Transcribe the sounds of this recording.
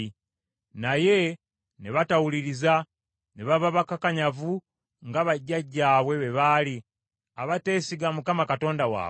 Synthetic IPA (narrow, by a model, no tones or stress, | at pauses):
naje̞ | neβatawuliɾiza | neβaβaβakakaɲavu | ŋɡaβaɟːaɟːaːβwe̞βe̞βali | aβate̞ːsiɡamukamakato̞ːndawa̰ː